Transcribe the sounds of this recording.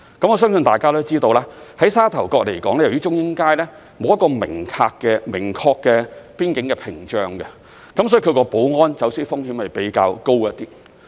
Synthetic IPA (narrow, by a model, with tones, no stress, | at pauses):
kɐ˨˥mɔː˨˧s̬œː˥ŋsɵ˧nt̪aː˨jkaː˥d̪o˥t͡siː˥t̪o˧wlaː˥hɐ˨˥jsaː˥t̪ʰɐ˨˩wkɔː˧k̚le˨˩jkɔː˨˥ŋlɛ˥jɐ˨˩wjiː˥t͡ʃʊ˥ŋjɪ˥ŋkaː˥jlɛː˥ | mo˨wjɐ˥kːɔː˧mɪ˨˩ŋkʰaː˧kːɛː˧mɪ˨˩ŋkʰɔː˧kːɛː˧piː˥nkɪ˨˥ŋkɛ˧pʰɪ˨˩ŋt͡ʃœː˧ŋɡɛ˧ | kɐ˨˥msɔː˨˥i˧˩kʰkɔː˧po˨˥wŋɔː˥nt͡sɐ˨˥wsiː˥fʊ˥ŋhi˨˥mhɐ˨jpe˨˥jka̰ː˧wko˥wt̪iː˥